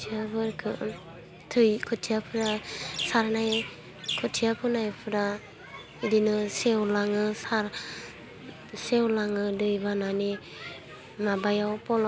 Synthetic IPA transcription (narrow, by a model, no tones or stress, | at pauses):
tʰiabʰɯɾkʰɯ | tʰɯjkʰɯtʰijapʰɯɾasaɾnaj | kʰɯtʰijapʰɯnajpʰɯɾa | idinɯsewlaŋɯsaɾ | sewlaŋɯdɯjbanane | mabajawpɔl